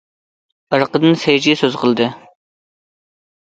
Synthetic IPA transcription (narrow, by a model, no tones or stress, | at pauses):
əɾqəd̪ɨnsejd͡ʒiɛsøz̥qʰəlˠɨd̪ɨ